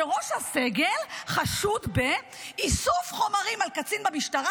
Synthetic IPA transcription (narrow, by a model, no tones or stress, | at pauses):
eʁo̞ʃhaseɡe̞lχaʃud̪be | isufχo̞maʁimalkat͡sinbamiʃtaʁa